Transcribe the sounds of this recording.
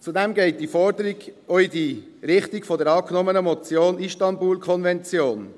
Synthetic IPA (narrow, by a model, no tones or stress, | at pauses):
t͡sudɛmɡɛɪt̚d̥ifɔɾdəɾiɡɔidi | ɾɪχtɪkfɔdəɾɑːknɔmənəmɔt͡sjoːniʃtɑnbuːlkʰɔnvɛnt͡sjoːn